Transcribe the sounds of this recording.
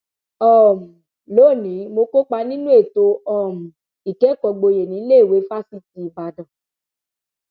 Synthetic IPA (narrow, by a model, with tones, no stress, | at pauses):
ɔ˦˨mũ˨ | lo˨˦˨nĩ˨˦mo˧ko˦k͡pa˧nĩ˦nũ˦e˦˨to˧ɔ˦˨mũ˨ | i˨kɛ˨˦˨kɔ˧ɡ͡bo˧je˨nĩ˨˦le˦i˦˨we˨˦fa˦si˦t̚i˧i˨ba˨dɔ̃˨